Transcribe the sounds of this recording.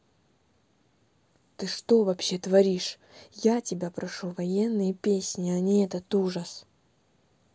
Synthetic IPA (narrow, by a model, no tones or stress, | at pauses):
t̪ɨʂt̪o̞vɐpɕe̞t̪vɐɾʲiʂ | jatʲɪbʲapɾɐʂuvɐjenːɨjəpʲesʲnʲɪɐnʲiɛt̪ət̪uʐəs